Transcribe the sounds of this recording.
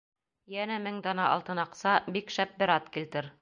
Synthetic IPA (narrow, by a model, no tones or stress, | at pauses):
jænæmɘŋd̪ɑnɑʔɑ̰lˠt̪ɤ̆nɑqsɑbikʃæp̚bɘ̆ɾɑt̪kilt̪ɘɾ